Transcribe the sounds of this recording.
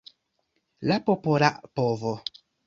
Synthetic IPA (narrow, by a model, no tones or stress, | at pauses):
lapopolaʔpovo